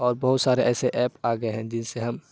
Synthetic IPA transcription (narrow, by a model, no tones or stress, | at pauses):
ɔːɾbɐɦʊt̪saːɾeʔɛːseʔɛːpaːɡəeɦɛ̃d͡ʒɪnseɦɐm